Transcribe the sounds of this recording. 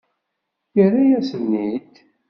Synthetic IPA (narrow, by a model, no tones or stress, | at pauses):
jəɾajæsənːid̪